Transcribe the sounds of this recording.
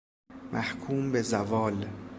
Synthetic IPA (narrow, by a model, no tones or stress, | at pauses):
mʔæhkʰuːmbezævɒːl